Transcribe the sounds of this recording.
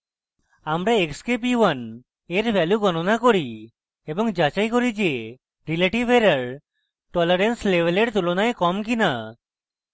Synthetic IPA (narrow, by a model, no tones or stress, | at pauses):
amɾaekskepiwan | eɾbʱɛljuɡɔnonakoɾi | ebɔŋd͡ʒat͡ʃajkoɾid͡ʒe | ɾileʈibeɾəɾ | ʈɔleɾenslebeleɽt̪ulɔnaekɔmkina